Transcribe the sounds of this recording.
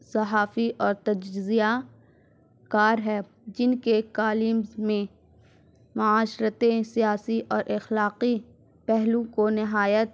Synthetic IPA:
sɐɦaːfiʔɔːɾt̪ɐd͡ʒzija | kaːɾɦɛː | d͡ʒɪnket̪aːliːmzmẽ | mʊaːʃɾət̪ẽsijaːsiʔɔːɾʔɐxlaːqi | pɛɦlũkonɪɦaːjət̪̚

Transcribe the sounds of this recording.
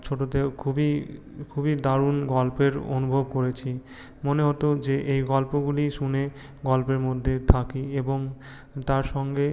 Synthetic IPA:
t͡ɕʰoʈot̪ekʰubi | kʰubid̪aɾunɡɔlpeɾo̰nubʱobkoɾet͡ɕʰi | moneɦot̪od͡ʑeʔejɡɔlpoɡuliʃune | ɡɔlpeɾmod̪ʱːet̪ʰakieboŋ | t̪aɾʃɔŋɡe

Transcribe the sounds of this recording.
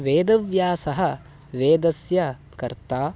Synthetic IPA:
ʋeːd̪ɐʋjaːsɐɦɐ | ʋeːd̪ɐsjɐ | kɐɾt̪aː

